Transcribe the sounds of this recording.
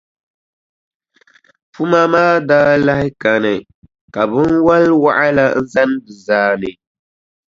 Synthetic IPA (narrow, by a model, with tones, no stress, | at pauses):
fu˦ma˦maː˦daː˦la˦hɪ˦ka˨nɨ˨ | ka˨bɨ˦nwa˦lwa˦ʔa˦la˦n̩˦za˦n˦bɨ˨zaː˦nɨ˨